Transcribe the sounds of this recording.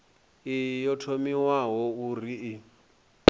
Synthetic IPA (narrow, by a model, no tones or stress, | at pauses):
ijɔtʰomiwaɦɔuriː